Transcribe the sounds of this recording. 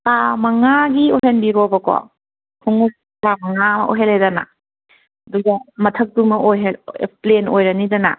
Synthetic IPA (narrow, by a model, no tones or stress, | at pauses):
kamɐŋaɡioɦenbiɾobɐkɔ̰ | kʰuŋuk̚ | ɾamɐŋamɐ̰ʔo̰ɦelejdana̰ | ɐduɡɐmɐtʰɐk̚dumɐojɦelplenojɾɐnidana̰